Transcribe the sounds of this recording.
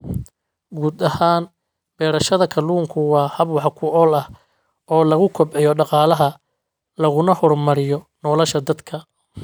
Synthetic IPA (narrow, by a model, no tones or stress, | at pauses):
ɡuːd̪ɐhaːn | bɛːɾɐʃɐðɐkʰɐluːŋkʰʊwɑːhɐbwɑħkʰʊʔɔːlɐh | ɔːlɐɣʊkʰɔbʕɛjɔɖɑqɑːlɐɦɐ | lɐɣʊnɐhɔrmɐɾɪjɔ | nɔːlɐʃɐd̪ɐd̪kʰɐ